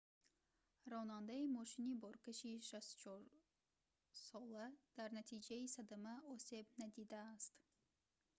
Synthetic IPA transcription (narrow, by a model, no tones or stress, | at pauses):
ɾɔnand̪aimɔʃinibɔɾkaʃiʃast̪u̥t͡ʃʰɔɾ | sɔlad̪̥aɾnat̪ʰid͡ʒaisad̪amaɔse̞bnad̪id̪aːst̪